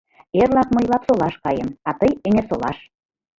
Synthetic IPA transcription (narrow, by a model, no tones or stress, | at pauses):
erlɑkmɤ̆jlɑpsolɑʃkɑjə̆mɑt̪əjeŋersolɑ̰ʃ